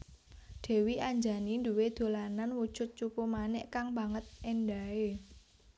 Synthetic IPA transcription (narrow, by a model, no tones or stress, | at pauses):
d̪̥e̤wiʔaɲd͡ʒa̤ninduwed̪̥o̤lananwud̥ʒ̥ʊ̤t̪̚t͡ʃupumanɛʔkaŋba̤ŋət̪̚ɛnɖae